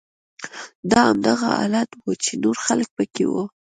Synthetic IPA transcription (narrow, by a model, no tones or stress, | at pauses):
d̪ɑamd̪aɣa̰ɑ̰lat̪wut͡ʃenoɾxalək̚pəkewu